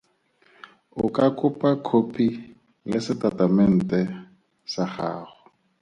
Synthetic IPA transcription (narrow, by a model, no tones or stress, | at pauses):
ʊkʼakʼʊpʼakʰopʰi | lɪsɪtatʼamɛn̩tʼɛ | saχa̰ːχʊ̥